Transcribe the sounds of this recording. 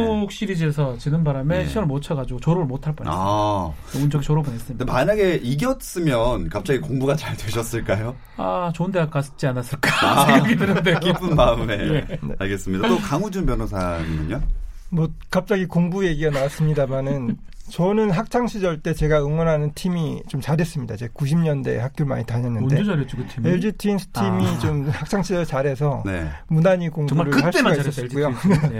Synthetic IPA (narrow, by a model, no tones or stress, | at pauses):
ok̚ɕ͈iɾid͡ʑesʰʌt͡ɕinɯnbaɾame̞ɕʰiʌɭmot͡ɕʰʌɡad͡ʑiɡot͡ɕʌɾoɯɭmotʰaɭp͈ʌ̰ajound͡ʑʌɡit͡ɕʌɾʌbɯnɦes͈ɯmɲidmaɲaɡe̞iɡjʌt̚s͈ɯmjʌnkap̚t͡ɕ͈aɡikoŋbuɡat͡ɕaɭtweɕʰʌs͈ɯɭk͈ajo | a̰t͡ɕondeak͈as͈ɯ̥t͡ɕ͈ianas͈ɯɭk͈aiaɡidɯnɯndekkipʰɯnmaɯme̞enea̰ɭɡe̞s͈ɯmɲidatokaŋud͡ʑunpjʌnosʰaŋiɡɯɲomwʌkap̚t͡ɕ͈aɡikoŋbuje̞ɡiɡanawas͈ɯmɲidamanɯn | t͡ɕʌnɯnɦak̚t͡ɕʰaŋɕʰid͡ʑʌɭt͈e̞t͡ɕe̞ɡaɯŋwʌɾɦanɯntʰimit͡ɕomt͡ɕaɾes͈ɯmɲidat͡ɕekuɕʰimɲʌnde̞̰hak̚t͈juɭma̰ɲitaɲʌnːɯnded͡ʑeaɾet͡ɕoɯeɭd͡ʑitʰinsʰɯ̥timit͡ɕomhak̚t͡ɕʰaŋɕʰid͡ʑʌɭt͡ɕaɾe̞sʰʌne̞̰munaɲikoŋuɾɯɭɯhaɭs͈emaaisʌskujo